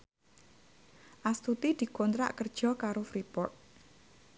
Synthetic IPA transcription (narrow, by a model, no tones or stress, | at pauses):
ʔast̪ut̪id̪̥i̤kont̪ɾa̰ʔkərd̥ʒ̥ɔ̤kaɾofɾipɔrt̪̚